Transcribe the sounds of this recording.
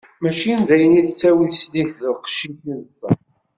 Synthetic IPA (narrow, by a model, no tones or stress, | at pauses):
mæʃinðæjəniðsːæwiθsliθləqʃitənθə